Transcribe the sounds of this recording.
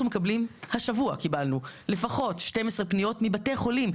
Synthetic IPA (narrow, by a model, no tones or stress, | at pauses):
umekablimhaʃavuakibalnule̞faχo̞tʃte̞mesʁepnijo̞tmibate̞χo̞lim